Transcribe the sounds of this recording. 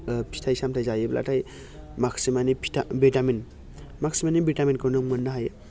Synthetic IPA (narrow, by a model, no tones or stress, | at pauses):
pʰi̥tʰajsamtʰajzajɯbla̰tʰaj | maksimanipʰtʰabitamin | maksimanibitaminkʰɯnɯmɯnːaɦaj